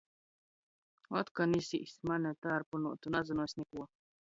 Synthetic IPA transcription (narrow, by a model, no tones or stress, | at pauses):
ɔt̪kanisiʔsmanɛt̪aɾpunuɔt̪unazunuɔjsʲnɛkuɔ